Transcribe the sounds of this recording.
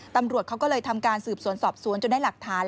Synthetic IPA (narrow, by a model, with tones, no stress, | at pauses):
t̪a˧mɾu˨˩ət̪̚kʰwkɔː˥˩lɤː˧jt̪ʰa˧mkaː˧nsɯː˨˩p̚su˨˩˦ənsɔː˨˩p̚su˨˩˦ənt͡ɕo˨˩nda˥˩la˨˩k̚t̪ʰaː˩˦˥n